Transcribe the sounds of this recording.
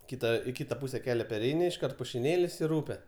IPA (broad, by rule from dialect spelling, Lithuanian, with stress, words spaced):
ˈkʲɪtɐ ɪ ˈkʲɪtɐ ˈpuːsʲɛ ˈkʲæːlʲɛ pʲɛrʲˈɛɪnʲɪ ɪʃˈkɐrt pʊʃʲɪˈnʲeːlʲɪs ɪr ˈuːpʲɛ